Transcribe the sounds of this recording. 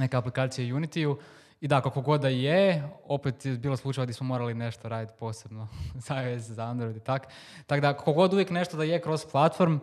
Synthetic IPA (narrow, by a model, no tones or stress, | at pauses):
ne̞keaplikaːt̪sijejunit̪iju | id̪akakoɡo̞d̪ːajeo̞pet̪jebiːlˠoslˠut͡ʃajʋod̪ismomo̞ːɾaline̞ʃt̪oɾaːd̪it̪po̞ːse̞bnoz̥aezzaand̪ɾojd̪it̪ak | t̪akod̪akakoɡo̞d̪uʋjekne̞ʃt̪od̪ajekɾo̞z̥plˠat̪fo̞ɾm